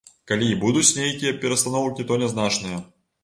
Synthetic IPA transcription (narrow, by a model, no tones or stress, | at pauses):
kalʲibud̪ut͡sʲnʲejkʲijɐpʲɛɾɐst̪anɔwkʲit̪ɔnʲɛznat͡ʂnɨjɐ